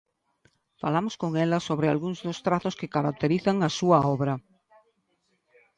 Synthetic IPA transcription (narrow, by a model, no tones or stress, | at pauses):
falamoskoŋɛlasoβɾea̰lɣuŋzðost̪ɾaθoskekaɾak̚t̪eɾiθaŋasuaɔβɾa